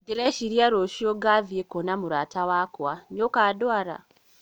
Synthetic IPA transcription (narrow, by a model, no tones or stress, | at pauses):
diɾeʃiɾjaɾoʃioɡavjekonamuɾaːtawakwanjokaːdwaɾa̰